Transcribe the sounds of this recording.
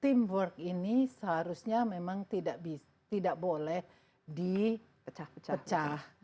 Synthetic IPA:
t̪imbərkinisəɦaɾusɲamemaŋt̪idaʔbi | t̪idaʔbolɛh | di | ət͡ʃat͡ʃpət͡ʃah

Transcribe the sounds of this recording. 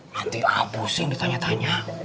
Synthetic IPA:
ant̪ia̰busiŋdit̪aɲat̪aɲa

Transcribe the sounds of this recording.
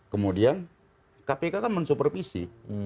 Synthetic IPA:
kəmudian | kapekakanmənsupərfisḭ

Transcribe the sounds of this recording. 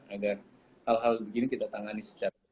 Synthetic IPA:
aɡar | halɦalbəɡinikit̪at̪aŋanisə̥t͡ʃa

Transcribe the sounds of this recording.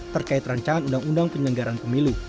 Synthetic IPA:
t̪ərkaɪt̪raɲt͡ʃaŋanundaŋundaŋpəɲəŋɡaɾanpəmilu

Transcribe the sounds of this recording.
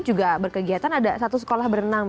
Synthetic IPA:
d͡ʒuɡabərkəɡiat̪anadasat̪us̬ə̥kolahbəɾənaŋ

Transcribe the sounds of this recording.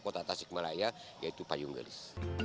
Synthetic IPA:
kot̪at̪asɪk̚malaijajait̪upajuŋɡə̰lɪs

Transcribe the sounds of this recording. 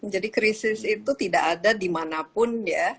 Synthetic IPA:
d͡ʒadikɾisɪsit̪ut̪idaʔadadimanapʊnja

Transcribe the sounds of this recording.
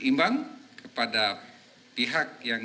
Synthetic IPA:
imbaŋkəpada | piɦak̚jaŋ

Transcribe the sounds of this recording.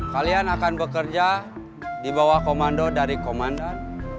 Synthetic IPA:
kalianakanbəkərd͡ʒa | dibawahkomandɔdaɾikomandan

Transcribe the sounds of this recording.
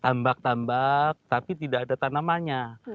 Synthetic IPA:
t̪ambak̚t̪ambak̚t̪apit̪idaːdat̪anamaɲa

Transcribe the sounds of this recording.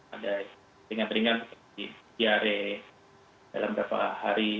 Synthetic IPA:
ada | ɾiŋant̪ɾiŋansup | ibiaɾe | da̰lambəɾapa̰haɾi

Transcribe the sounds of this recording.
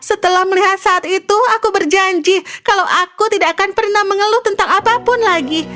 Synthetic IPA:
sət̪əlahməliɦat̪̚saːt̪it̪uakubərd͡ʒaɲd͡ʒikalawʔakut̪idakanpərnahməŋəlʊht̪ənt̪aŋapapʊnlaɡi

